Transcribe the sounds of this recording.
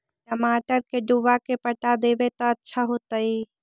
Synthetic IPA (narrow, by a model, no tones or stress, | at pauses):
ʈəmaːʈəɾkeɖubakepəʈad̪ebet̪ɔətːʃʰaɦot̪əi